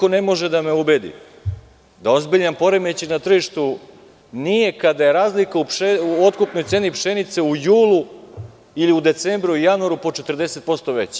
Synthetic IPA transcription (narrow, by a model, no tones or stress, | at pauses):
one̞mo̞ʒed̪ameube̞d̪ḭ | d̪ao̞zbiʎampo̞ɾemet͡ɕinat̪r̩ʒiʃt̪u | nije̞kad̪ajeɾaːzlikaupeuo̞t̪kupno̞jt̪se̞ːnipʃe̞nit̪se̞ujuːlˠu | iliud̪e̞t̪sembɾuujanuaɾupo̞t͡ʃe̞t̪rd̪e̞se̞t̪̚po̞st̪o̞ʋe̞t͡ɕ